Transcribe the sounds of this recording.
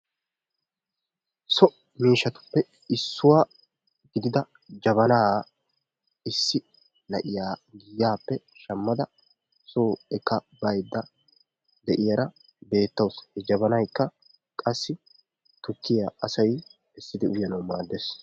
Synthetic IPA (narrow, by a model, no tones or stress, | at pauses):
sɔʔ | miːʃɐt̪ʊ̥pːɛ | ɪsːʊwaː | ɡɪd̪ɪd̪ɐ | d͡ʒɐβɐnaː | ɪsːɪ | nɐʔɪjaːɡiːjaːpːɛʃɐmːɐd̪ɐ | soːɛkːɐbɐjd̪ːɐ | d̪ɛʔɪjɐɾɐ | be̞ːt̪ːɐwshɛd͡ʒɐbɐnɐjkːɐ | kʼɐsːɪ | t̪ʊkːɪjaɐsɐj | ɛsːɪd̪ɪʊjːɐnɐwmaːd̪ːeːs